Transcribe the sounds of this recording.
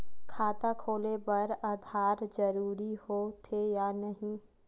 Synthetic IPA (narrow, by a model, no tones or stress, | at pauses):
kʰaːt̪akʰoːlebɐɾaːd̪ʱaːɾd͡ʒɐɾuːɾihot̪ʰejaːnɐɦĩ